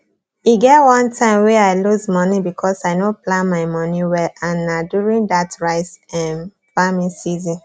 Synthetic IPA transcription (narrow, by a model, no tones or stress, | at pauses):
iɡɛtwɔ̃ntʰãɪ̃mwɛaɪluzmɔnibikʰɔsaɪnoplãnmaɪmɔniwɛlãnːadjuɹĩndatɹaɪsɛ̃n | famĩsizĩn